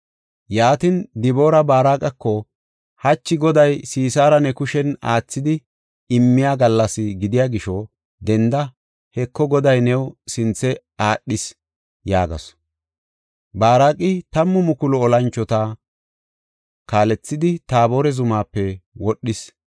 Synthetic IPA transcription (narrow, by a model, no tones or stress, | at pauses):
jaːt̪ɪnd̪ɪbo̞ːɾɐbaːɾaːkʼɐkːɔ | hɐt͡ʃːɪɡɔd̪ɐjsiːsaːɾɐnɛkʊʃɛna̰ːt͡sːɪd̪ɪ | ɪmːɪjaːɡɐlːɐsɪɡɪd̪ɪjaːɡɪʃɔ | d̪ɛnd̪ɐ | hɛkːɔɡɔd̪ɐjnɛwsɪnt͡sːɛ | aːɗːɪs | jaːɡɐ̰s | baːɾaːkʼɪt̪ɐmːɔmʊkʊlʊɔlɐnt͡ʃːɔt̪a | kaːlɛt͡sːɪd̪ɪt̪aːboːɾɛzʊmaːpːɛwɔɗːɪs